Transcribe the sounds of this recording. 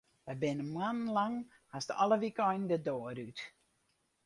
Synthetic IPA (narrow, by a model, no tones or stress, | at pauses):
əbɪnəmwanlaŋ | asdəʔɔlˠəvikɔjndədɔːɾʉt